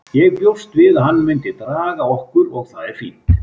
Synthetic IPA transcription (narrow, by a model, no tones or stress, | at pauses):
jɛɣpjowst̪vɪðahanːmʏnt̪ɪt̪ɾaːɣaɔhkʏɾɔɣθaðɪɾ̥fiːt̪